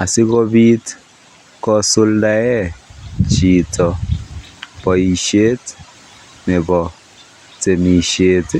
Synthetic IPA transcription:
a˨sɪ˦kɔ˦bi˦t | kɔ˦su˦lda˦jɛ˦t͡ʃi˨tɔ˨ | bɔ˨i˨ʃe˦t | nɛ˨bɔ˨ | te˨mi˨ʃe˦t

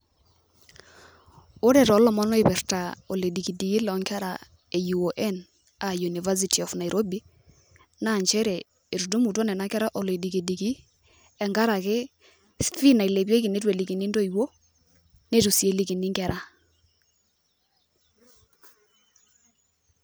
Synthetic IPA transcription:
o˦ɾɛ˨ɾɔ˨˦lɔ˨mɔ˦nɔ˦i˨pɛ˨rta˨ɔ˨le˨di˨ki˨di˨ki˦lɔ˨ŋkɛ˦ɾa̰˨ | e˨ju˨o˨ʔɛ˦n | a˨ju˨ni˨va˦s̬i˨tʰi˨ɔ˨fna˨i˨ɾʔo˦bi˦ | na˦˨ɲt͡ʃɛ˦ɾɛ˨ | e˨ɾu˨du˦mu˨tɔ˦nɛ˨na˦kɛ˦ɾa˦ʔɔ˨le˨di˨ki˨di˨ki˦ | ɛ˨ŋɡa˦ɾa˨kɪ˦ | sfi˦na˨i˨le˨pje˦ki˨ne˦twe˨li˨ki˨ni˦ndo˦i˨wo˦ | ne˦tu˨si˨e˨˦li˦ki˨ni˦ŋkɛ˨ɾʔa˦

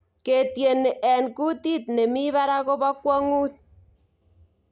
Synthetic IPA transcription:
ke˨tje˨ne˨ʔɛ˨nku˦ti˦t̚ne˨mi˦βa˦ɾa˦ko˦bɔ˦kwɔ˦ŋu˦t̚

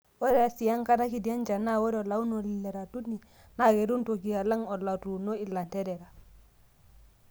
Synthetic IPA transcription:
wo˦ɾe˦a˨si˨ja˦ŋka˦na˦ki˨di˨a˦nd͡ʒa˨na˦wo˦ɾo˨la˨˦u˦no˨li˨le˨ɾa˨tu˦ni˨ | na˨ɡe˨ɾu˦nto˨ki˨a˨la˦ŋo˨la˨tu˨no˦i˦˨la˨nte˦ɾe˨ɾa˨

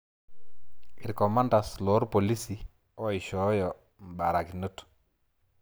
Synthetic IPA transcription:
ɪ˨ɾkɔ˨ma˦nda˨slɔ˦ɾpo˨li˦si˨ | ɔ˦i˨ʃɔ˦jɔ˨ | m̩˨ba˨ɾa˨ki˨no˦tu̥

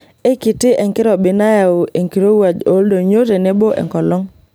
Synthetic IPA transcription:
e˦kɪ˨tɪ˦ʔɛ˨ŋkɪ˦ɾɔ˨bɪ˨na˦ja˨o˨e˨ŋki˨ɾo˦wa˨d͡ʒo˦ldo˨ɲo˦te˨ne˦bo˦ʔɛ̰˨ŋkɔ˨lɔ˦ŋ

